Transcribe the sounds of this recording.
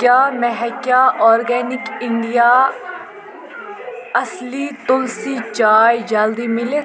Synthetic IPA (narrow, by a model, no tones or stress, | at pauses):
kjaːmɛɦɛkjaːʔɔːɾɡɛːnɪkɪɳɖijaː | əsliːt̪ʊlsiːt͡ʃaːjd͡ʒəld̪iːmɪleː